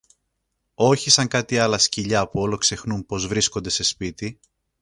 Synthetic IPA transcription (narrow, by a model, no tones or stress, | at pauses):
o̞çisɐŋkɐt̪iɐlɐsciʎɐpuo̞lo̞kse̞xnumpo̞zvɾisko̞nd̪e̞se̞spit̪i